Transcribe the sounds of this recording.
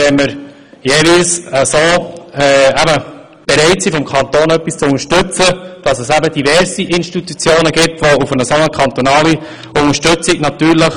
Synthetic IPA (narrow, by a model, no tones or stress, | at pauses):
ɛməɾ | jeːvilsəsoːɛæbə | b̥ɛɾɛɪtsifɔmkʰɑnt̪oːnœpːist͡sʊnəʃtɵt͡səd̥ɑsəsæbəd̥ivɛɾsiʔɪnʃtit̪ut͡sjoːnəɡɪtʋoufənəsɔnəkʰɑnt̪ɔnɑːli | ʊŋəʃtɵt͡sɪɡnɑt̪yːɾləχ